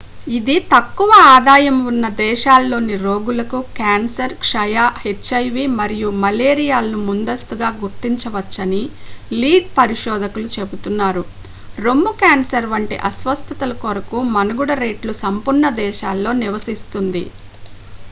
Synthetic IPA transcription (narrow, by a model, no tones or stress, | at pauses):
id̪it̪ɐkːuʋɐaːd̪aːjɐmunːɐd̪ɛːʃaːlːo̞ːniɾo̞ːɡulɐkukaːnsɐɾkʂɐjaːhet͡ʃːɐjʋimɐɾijumɐleːɾijaːlɐnumund̪ɐst̪uɡaːɡuɾt̪iɲt͡ʃɐʋɐt͡ʃːɐniliːɖ̚pɐɾiʃɔːd̪ɐkulut͡ʃe̞but̪unːaːɾu | ɾomːukaːnsɐɾʋɐɳʈiʔɐsʋɐst̪ʰɐt̪ɐlɐkoɾɐkumɐnɐɡuɽɐɾeːʈlusɐmpuɾɳɐd̪ɛːʃaːlːo̞ːniʋɐsist̪und̪ḭ